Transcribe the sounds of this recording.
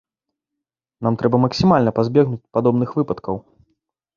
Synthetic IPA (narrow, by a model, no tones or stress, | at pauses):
namt̪ɾʔɛbɐmɐksʲimalʲnɐpazʲbʲɛɣnut͡sʲpad̪ɔbnɨxvɨpɐt̪kɐw